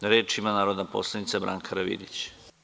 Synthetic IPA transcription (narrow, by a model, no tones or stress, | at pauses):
ɾeːt͡ʃimanaːɾod̪napo̰slˠanit̪sabɾʔa̰ːŋkʰaɾaʋḭd̪it͡ɕ